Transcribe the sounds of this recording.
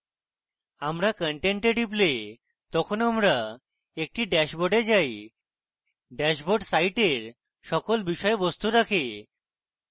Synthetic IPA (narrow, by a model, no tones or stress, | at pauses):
amɾakəɳʈeɳʈeɖip̬le | t̪ɔkʰonamɾa | ek̚ʈiɖɛʃboɖed͡ʑaj | ɖɛʃboɖsajʈeɾ | ʃɔkolbiʃɔebost̪uɾakʰe